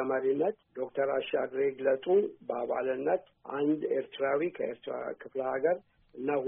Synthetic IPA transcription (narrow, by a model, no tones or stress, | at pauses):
əməɾinːət̪d̪o̞kt̪ʰəɾaʃaɡɾeɡlət̪ʼubəaβa̰lɨnːət̪ | ʔand̪eɾt̪ʰɨɾawikʰəḛɾt̪ɾa̰kʰɨfləhaɡəɾ | ɨnːah